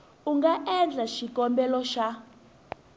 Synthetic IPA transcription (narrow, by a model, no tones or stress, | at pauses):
uŋɡaʔɛnd͡ɮʱaʃikʼɔmbɛlɔʃa